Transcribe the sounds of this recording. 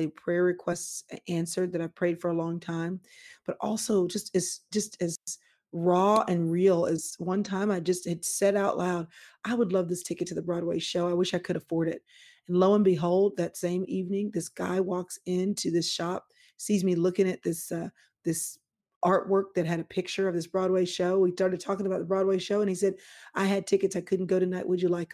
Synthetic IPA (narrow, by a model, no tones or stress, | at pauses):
ipʰɹ̥ɛɹɹɨkʰw̥ɛstsʔæ̃nsə˞d̪̚ðɨɾaɪpʰɹ̥eɪd̥fə˞əlɔ̃ŋtʰãɪ̃mb̥ʌɾʔɔ̰lˠsoʊd͡ʒʌstɨz̥d̥d͡ʒʌstɨzz | ɹɔɨ̃nɹilˠɨz̥wʌ̃ntʰãɪ̃maɪd͡ʒʌst̚hɨd̥sɛɾaʊʔlaʊɾʔaɪwədˡlʌvðɪstʰɪkɨtʰɨðɨbɹɔd̚weɪʃoʊaɪwɪʃaɪkʰɨɾɨfɔɹɾɪt̚ | n̩loʊə̃nbɨɦoʊlˠd̪̚ðɨtsẽɪ̃mivnɪ̃ŋðɪsɡ̥a̰ɪwɔksɪ̃ntʰʉðɪsʃɑp̚ | sizmilʊkɪ̃ŋɨt̪̚ðɪsʌ | ðɪs | ʔɑɹʔwɜ˞k̚ðɨt̚ɦɨɾɨpʰɪk̚t͡ʃə˞ʌvðɪsb̥ɹɔd̚weɪʃoʊwistɑɹɾɨd̚tʰɔkɪ̃ŋəbaʊt̪̚ðəbɹɔd̚weɪʃoʊə̃nisɛɾʔaɪɨd̚tʰɪkɨtsaɪkʰʊdⁿn̩ɡ̥oʊɾɨnaɪʔwʔəd͡ʒɨlaɪk